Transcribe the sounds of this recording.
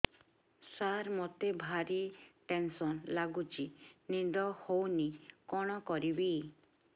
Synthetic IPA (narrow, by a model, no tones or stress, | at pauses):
saɾmot̪ebʱaɾiʈensɔnlaɡut͡ʃinind̪ɔhownikɔɽ̃ɔkɔɾibi